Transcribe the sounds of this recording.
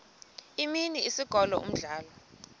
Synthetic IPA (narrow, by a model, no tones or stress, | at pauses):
iminiisiɡ̥ʱɔlɔ̰ṵm̩ɮaːlɔ